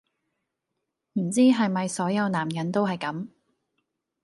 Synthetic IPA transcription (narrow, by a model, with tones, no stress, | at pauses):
m̩˨˩t͡siː˥ɦɐ˨jmɐ˨jsɔː˨˥jɐ˨˧wnaː˨˩mjɐ˨˥nt̪o˥wɦɐ˨jkɐ˨˥m